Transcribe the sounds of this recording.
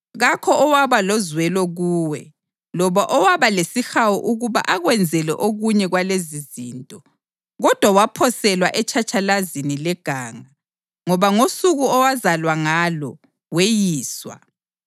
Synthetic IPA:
ɣakʰɔʔɔwaβalɔzwɛlɔɣuːwɛ | lɔβaʔɔwaβalesixawɔʔuɣuβa̰ʔaɣwɛnd͡zʱɛlɛ̰ʔoɣuɲɛɣwaleziziːntʼɔ | ɣɔd̥ʱwawapʰɔsɛlwaʔɛt͡ʃʰʼat͡ʃʼalazinilɛɡ̥ʱaːŋa | ŋɔβaŋosuɣuɔwazalwaŋalɔ | wejiːswa̰

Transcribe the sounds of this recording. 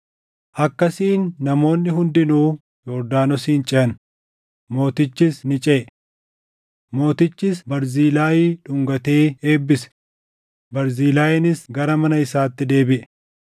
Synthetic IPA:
ʔɐkːɐsiːnːɐmo̞ːnːɪɦʊnd̪ɪnuː | jɔɾd̪aːnɔsiːnt͡ʃʼɛʔɐn | mo̞ːt̪ɪt͡ʃːɪsnɪt͡ʃʼɛ | mo̞ːt̪ɪt͡ʃːɪsbɐɾziːlaːjiːᶑʊŋɡɐt̪e̞ːeːbːɪsɛ̥ | bɐɾziːlaːjɪnɪsɡɐɾɐmɐnɐɪsaːt̪ːɪd̪e̞ːbɪʔɛ̥

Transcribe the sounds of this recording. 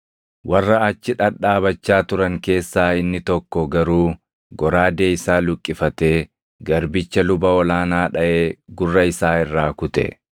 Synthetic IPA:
wɐrːɐːt͡ʃːɪᶑɐᶑaːbɐt͡ʃːaːt̪ʊɾɐŋke̞ːsːaːɪnːɪt̪ɔkːɔɡɐɾuː | ɡɔɾaːd̪eːɪsaːlʊkʼːɪfɐt̪e̞ː | ɡɐɾbɪt͡ʃːɐlʊbɐɔlaːnaːᶑɐʔeːɡʊrːɐɪsaːɪrːaːkʊt̪ɛ̰

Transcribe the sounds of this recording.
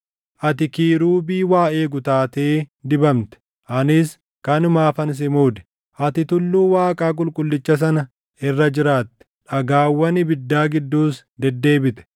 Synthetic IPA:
ʔɐt̪ɪkiːɾuːbiːwaːe̞ːɡʊt̪aːt̪eːd̪ɪbɐmt̪ɛ̥ | ʔɐnɪs | kɐnʊmaːfɐns̬ɪmuːd̪ɛ̥ | ʔɐt̪ɪt̪ʊlːuːwaːkʼaːk̬ʼʊlkʼʊlːɪt͡ʃːɐs̬ɐnɐ | ɪrːɐd͡ʒɪɾaːt̪ːɛ̥ᶑɐɡaːwːɐnɪbɪd̪ːaːɡɪd̪ːuːs | d̪ɛd̪ːe̞ːbɪt̪ɛ̥

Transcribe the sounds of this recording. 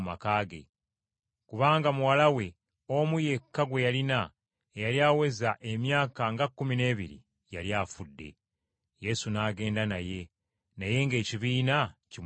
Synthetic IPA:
ma̰kaːɡe̞̰ | kuβaːŋɡamuwalawe̞ | omuje̞kːaɡwe̞jalina | ejaljaːwe̞zaʔe̞mjaːkaŋɡakːumine̞ːβiɾḭ | jaljaːfudːe̞̰ | je̞sunaːɡe̞ːndanaje̞ | naje̞ŋɡe̞ːciβiːnaci

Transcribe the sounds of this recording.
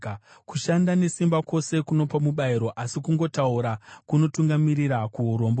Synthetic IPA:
kuʃandane̞simbako̞se̞kuno̞pamuɓaiɾo̞ʔasikuŋɡo̞tauɾakuno̞tuŋɡamiɾiɾakuɦuɾo̞ːmbo

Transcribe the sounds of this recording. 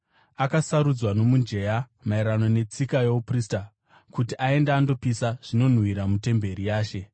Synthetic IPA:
akasaɾud͡zwano̞mund͡ʒe̞ja | maiɾano̞ne̞t͡sikajouprista | kutiʔae̞ndaːndo̞pisaʐ̥ino̞n̤wiɾamute̞mbe̞ɾijaːʃe̞

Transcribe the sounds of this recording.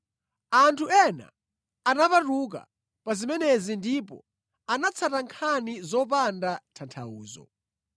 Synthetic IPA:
antʰuɛna̰ | anaparuk̬a̰ | pazimɛnɛzindipɔ̰ | anat͡sʰataŋkʰanizɔp̬andatʰantʰa̰uːzɔ̰

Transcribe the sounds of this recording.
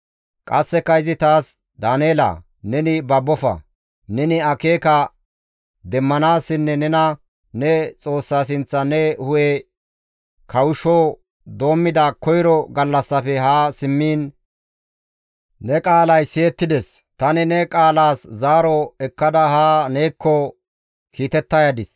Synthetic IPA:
kʼɐsːɛkːɐɪzɪt̪aːs | d̪aːneːla̰ː | nɛnɪbɐbːɔfɐ̰ | nɛnɪɐke̞ːkɐ | d̪ɛmːɐnaːsːɪnːɛnɛnɐ | nɛt͡sʼo̞ːsːaːs̬ɪnt͡sːɐnɛhʊje | kʰɐwʊʃoː | d̪o̞ːmːɪd̪akɔjɾɔɡɐlːɐsːɐfɛɦaːsɪmːiːn | nɛkʼaːlɐjseɛt̪ːɪd̪ɛs | t̪ɐnɪnɛkʼaːlaːszaːɾɔɛkːɐd̪ɐhaːneːkːɔ | kiːt̪ɛt̪ːɐjɐd̪ɪs

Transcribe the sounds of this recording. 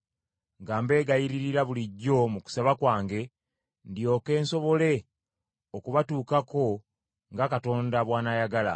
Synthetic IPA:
ŋɡaːmbe̞ːɡajiɾiɾiɾaβuliɟːo̞muku̥saβakwaːŋɡe̞ | ndjo̞ːke̞ːnso̞βo̞le̞ | okuβatuːkako̞ | ŋɡakato̞ːndaβwaːnajaɡala̰

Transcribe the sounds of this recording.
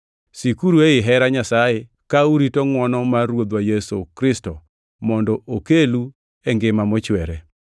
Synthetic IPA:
sikuɾueɪɦɛɾaɲasaje | kauɾitɔŋwɔnɔmaɾwod̪wajesokɾɪstɔ | mɔndɔokelu | eŋɡɪmamɔt͡ʃwɛɾɛ

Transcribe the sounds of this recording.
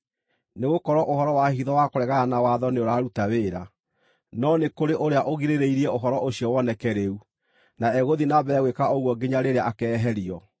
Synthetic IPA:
neɣokɔɾɔʔohɔɾɔwahiðɔwakoɾɛɣaanawaðɔneoɾaːɾutaweːɾa̰ | nɔnekoɾeʔoɾeaʔoɣiɾeɾeiɾiɛoɦɔɾɔʔoɕiɔwɔnɛkɛɾeu | naɛɣoðinabɛːɣwekaoɣwɔɡiɲaɾeɾeaʔakɛːɦɛɾiɔ

